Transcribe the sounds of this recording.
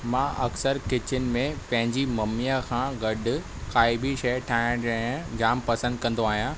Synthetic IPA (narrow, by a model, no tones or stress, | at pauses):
mãːʔɐksəɾkɪt͡ɕɪnɪ̆mẽpɐ̃ɦɪ̃ɲd͡ʑimɐmijakʰãːɡɐɗʊ̆ | xaːɪbiʃɐjəʈʰaːɦɪ̃d͡ʑɐ̃d͡ʑaːmpɐsə̃nd̪̚kɐ̃nd̪oaːɦijãː